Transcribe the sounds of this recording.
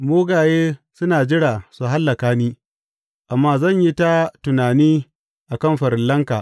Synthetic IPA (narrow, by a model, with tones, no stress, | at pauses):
moː˦ɡaː˨jeː˦sʊ˦naː˨d͡ʒɪ˦ɽaː˨su˨ɦa˦lːɐ˨kaː˦niː˦ | ʔa˨mːaː˦zɐ˦˨ɲji˦ta˦tʊ˨naː˨niː˦ | ʔa˨kɐ˦˨mɸɐ˨ɾɪ˨llɐ˦ŋkaː˨ʔ